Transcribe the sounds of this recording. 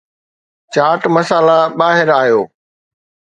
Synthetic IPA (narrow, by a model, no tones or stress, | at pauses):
t͡ɕaːʈmɐsaːlaɓaːɦɪɾaːijoː